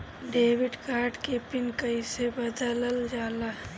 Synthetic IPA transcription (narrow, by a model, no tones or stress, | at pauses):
ɖeːwɪɖkaːɾɖkepɪnkəisebəd̪ələld͡ʒaːla